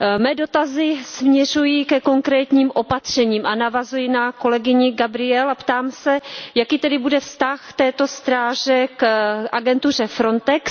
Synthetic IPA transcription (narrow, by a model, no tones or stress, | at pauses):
mɛːdo̞t̪azɪsmɲɛr̝ujikɛko̞ŋkɾɛːt̪ɲiːmʔo̞pat̪r̝̥ɛɲiːmʔanavazujɪnako̞lɛɡɪɲɪɡabɾɪɛlapt̪aːmsɛjakiːt̪ɛdɪbudɛfst̪axt̪ɛːt̪o̞st̪ɾaːʒɛkʔaɡɛnt̪ur̝ɛfɾo̞nt̪ɛks